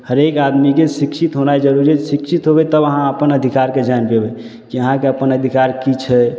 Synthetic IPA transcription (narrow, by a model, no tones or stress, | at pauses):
həɾekad̪mikesikʃit̪ɦonajd͡ʒəɾuɾisikʃʰit̪ɦobɛt̪əbəɦãəpənəd̪ʱikaɾked͡ʒanpebɛ | kiəɦãkeəpənəd̪ʱikaɾkit͡ʃʰɛ